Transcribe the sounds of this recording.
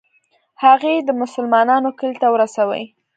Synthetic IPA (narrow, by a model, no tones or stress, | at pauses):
haɣed̪əmʊsəlmɑnɑnokəlt̪awəɾasawə̰j